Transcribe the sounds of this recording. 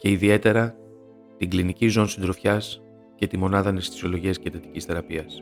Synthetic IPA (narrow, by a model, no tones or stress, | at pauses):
ce̞iðie̞t̪e̞ɾɐ | t̪iŋɡlinicizo̞nisind̪ɾo̞fçɐs | ce̞t̪imo̞nɐðɐnest̪i̥so̞lo̞ʝiɐscet̪et̪i̥cisθe̞ɾɐpiɐs